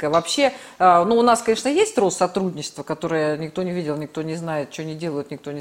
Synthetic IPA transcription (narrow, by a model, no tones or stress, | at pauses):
kəjəvɐpɕːe̞ənuʊnaskɐnʲe̞ʂnəjesʲtʲro̞st̪sɐt̪ɾudʲnʲɪt͡ɕɪ̥st̪vəkɐt̪o̞ɾɨjənʲɪk̚t̪o̞nʲɪvʲidʲɪlˠnʲɪk̚t̪o̞nʲɪznajɪt̪̚t͡ɕɪvonʲɪdʲe̞lˠəjʊt̪nʲɪk̚t̪o̞nʲɪ